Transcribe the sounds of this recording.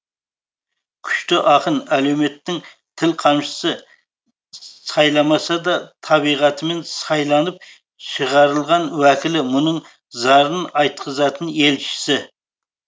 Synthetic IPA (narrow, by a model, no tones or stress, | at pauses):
kʲʰy̥ʃt̪ɪʔɑqənælewmet̪ːɪŋ | t̪ʰɪlqʰɑmʃɪ̥sɪ | sɑjlˠɑmɑsɑd̪ɑt̪ʰɑbijʁɑt̪ʰɪme̞nsɑjlˠɑnəp̚ | ʃəʁɑɾəlˠʁɑnwækʲɪlɪmʊnəɴ | zɑɾənɑjt̪qʰəzɑt̪ʰənelt͡ʃʰɪ̥sɪ